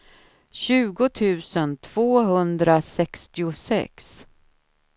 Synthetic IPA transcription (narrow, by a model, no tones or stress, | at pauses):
ɕʉ̟ːɡʊt̪ʰʉ̟ːsənt̪ʰv̥oːɦɵnd̪ɾasɛkst̪ɪʊsɛ̰ks